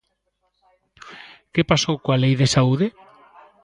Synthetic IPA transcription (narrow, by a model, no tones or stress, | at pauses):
kepasowkoalejðesauðe